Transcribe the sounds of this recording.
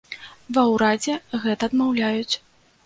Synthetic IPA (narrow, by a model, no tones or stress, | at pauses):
vɐwɾad͡zʲɛɣɛt̪ɐːd̪mawlʲajut͡sʲ